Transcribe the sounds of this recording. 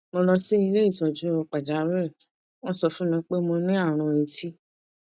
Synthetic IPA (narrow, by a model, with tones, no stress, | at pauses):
mõ˧lɔ˧si˦i˧le˦i˦˨tɔ˨d͡ʒu˦ɔ˧k͡pa˨d͡ʒa˨˦wɛ˦˨ | ɔ˧sɔ˨fũ˦nĩ˧k͡pe˦mõ˧nĩ˦a˦˨ɾ̃ɔ̃˧e˧ti˦